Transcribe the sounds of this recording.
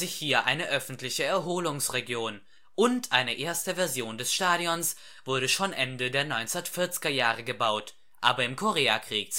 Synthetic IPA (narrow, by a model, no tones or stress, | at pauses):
zɪçhiːɐʔaɪnəʔœfn̩tlɪçəɛɐɦoːlʊŋsʁeɡjoːn | ʔʊntʔaɪnəʔeːɐstəvɛɐzjoːndɛsʃtaːɾiɔns | v̥ʊɐɾəʃoːnʔɛndədeːɐnɔʏnt͡sɐtfɪɐt͡sɪ̥ɡɐjaːʁ̞əɡəbaʊt | ʔa̰ːbɐɪmkʰɔʁeːakʁ̥iːk̚